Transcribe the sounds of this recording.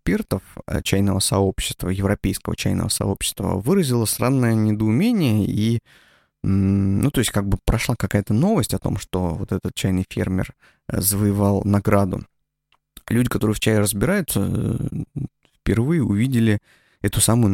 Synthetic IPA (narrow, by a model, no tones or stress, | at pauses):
spʲe̞rt̪əfə̰t͡ɕæjnəvəsɐo̞pɕːɪ̥st̪və̰jɪvɾɐpʲejskəvə̰t͡ɕæjnə̰və̰sɐ̰o̞pɕːɪ̥st̪və̰vɨɾəzʲɪlˠəsʲranːəjənʲɪd̪əʊmʲenʲɪjəi | nut̪o̞ɪsʲtʲkaɡ̚bɨpɾɐʂlˠakɐkajət̪əno̞vəsʲtʲɐt̪o̞̰mʂt̪o̞vo̞̰t̪ɛt̪ət̪̚t͡ɕæjnɨjfʲḛrmʲɪ̰r | zəvəjɪvalˠnɐɡɾad̪ʊ̰ | lʲudʲɪkɐt̪o̞ɾɨjft͡ɕæjɪrəzbʲɪɾajʊt̪sə̰ | fpʲɪrvɨjəʊvʲidʲɪlʲɪ | ɛt̪ʊsamʊjʊ